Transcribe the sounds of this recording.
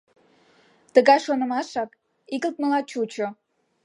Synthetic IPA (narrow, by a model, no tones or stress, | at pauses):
t̪əɣɑjʃonə̆mɑʃɑk | iɣəlt̪̚məlɑt͡ɕut͡ɕo